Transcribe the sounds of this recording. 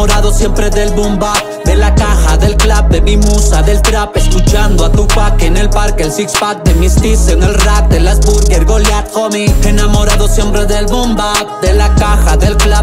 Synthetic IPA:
oɾaðo̞sje̞mpɾe̞ðelbumba | d̪e̞lakaxaðe̞lklab̚d̪e̞mimusaðe̞lt̪ɾape̞skut͡ʃand̪oat̪upakeːne̞lpaɾkeelsikspat̪̚d̪e̞mist̪isene̞lrak̚d̪elazbuɾɣeɾɣo̞ljat̪komienamo̞ɾaðo̞sje̞mpɾe̞ðe̞lβombad̪e̞lakaxaðe̞lkla

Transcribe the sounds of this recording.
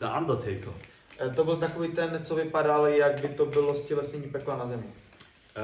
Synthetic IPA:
d̪əʔa̰nd̪ət̪ʰejkl̩ | t̪obɪlt̪̬akoviːt̪ɛnt͡sovɪpadaljaɡ̚bɪt̪o̞bɪlo̞scɛlɛsɲɛɲiːpɛklanazɛmɲɪ

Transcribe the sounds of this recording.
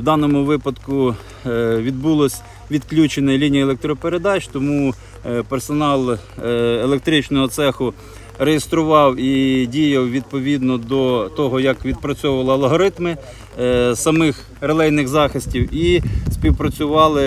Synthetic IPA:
d̪ɑnɔmʊʋɪpɐd̪kʊ | ʋʲid̪bulˠɔsʲ | ʋʲid̪klʲut͡ʃenɛlʲinʲijɐelˠek̚t̪ɾɔpeɾed̪ɑt͡ʃt̪ɔmu | persɔnɑlˠ | elek̚t̪ɾɪt͡ʃnɔɦɔt̪sɛxʊ | rejest̪ɾʊʋɑwidʲijɐwʋʲid̪̚pɔʋʲid̪nɔd̪ɔt̪ɔɦɔjɐkʋʲid̪̚pɾɐt͡sʲɔʊʋɐlˠɪɐlˠɦɔɾɪt̪mɪ | sɐmɪx | relˠɛjnɪxzɑxɪsʲtʲiwispʲiwpɾɐt͡sʲʊʋɑlˠɪ

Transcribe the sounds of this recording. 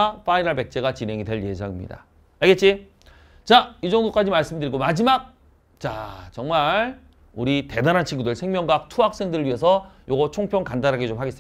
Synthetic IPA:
p͈aiɾaɭpe̞k̚t͡ɕ͈e̞ɡat͡ɕine̞ŋidwe̞ɭje̞sʰʌŋimɲḭda̰ | aɭɡe̞t̚t͡ɕ͈i | t͡ɕaid͡ʑʌŋdok͈ad͡ʑimaɭs͈ɯmdɯɾiɡomad͡ʑimak̚ | t͡ɕa̰t͡ɕʌŋmaɭ | uɾite̞daɾant͡ɕʰiŋɡudɯɭsʰeŋmʲjʌŋɡak̚tʰuɦak̚s͈e̞ŋdɯɾɯɭɥiɦe̞s̬ʰʌjoɡʌt͡ɕʰoŋpʰjʌŋkandanɦaɡet͡ɕomhaɡes͈

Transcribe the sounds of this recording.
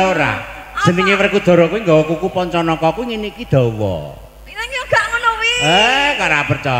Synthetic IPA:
oɾa̰ | səniŋiwərkud̪̥ɔ̤ɾɔkuwiŋɡakukupɔɲt͡ʃɔnɔkɔkuŋinikid̪̥ɔ̤wɔ̰ | ɡ̥aŋənowiekaɾapərt͡ʃɔ

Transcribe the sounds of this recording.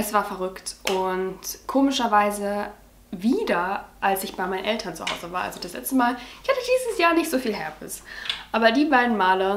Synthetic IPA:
ʔɛsv̥aːɐfɛɐʁʏktʔʊntkʰoːmɪʃɐvaɪzə | viːdɐʔalsɪçb̥aɪmaɪnənʔɛltʰɐnt͡suha̰ʊzəvaːɐʔa̰lzodaslɛ̰t͡stəmaːlɪçhatədiːzəsjaːɐnɪçtz̥oːfiːlɦɛ̰ɐbɪ̰sʔaːbɐdiːbaɪdn̩maːlə

